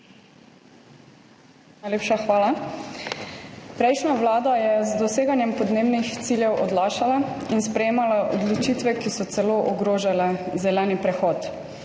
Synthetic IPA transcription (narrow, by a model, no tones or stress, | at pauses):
najleːpʃaxʋaːla | pɾɛjʃnaʋlaːd̪ajɛzd̪ɔseːɡanjɛmpɔd̪neːbnixt̪siljɛwʔɔd̪laːʃalainspɾɛjeːmalaʔɔd̪lɔt͡ʃit̪ʋɛkisɔt̪sɛloːʔɔɡɾoːʒalɛzɛlɛːnipɾɛxɔːt̪